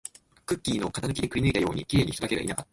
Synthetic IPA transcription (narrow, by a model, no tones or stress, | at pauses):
kɯ̟kʲːiːno̞kat̪anɨ̟kʲid̪ekɯ̟ɾʲinɨ̟it̪ajo̞ːɲ̟ikʲiɾe̞ɲ̟ḭç̥itod̪ake̞ɡa̰ʔḭnakat̪ːḁ